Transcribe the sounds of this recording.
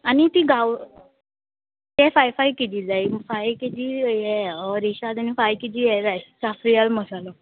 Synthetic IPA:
anit̪iɡaw | jɛfajfajkit̪id͡zajfajkit̪ijɛɔɾiɕad̪anifajkit̪ijɛd͡zajsafɾijalməsalɔ

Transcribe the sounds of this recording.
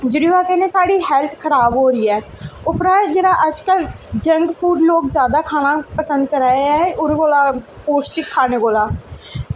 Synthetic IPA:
d͡ʒʊɾiːʋaːkɛːneːsaːɽiːɦɛːlt̪ʰkʰəɾaːbɦoːɾiːɛːʊpɾaːd͡ʒeːɽaːʔəd͡ʒkəld͡ʒəŋɡpʰuːɖloːkzjaːd̪aːkʰaːɽ̃aːpəsə̃nd̪̚kəɾaːeɛːʊɾɡoːlaː | poːsʈɪkʰːaːneːɡoːlaː

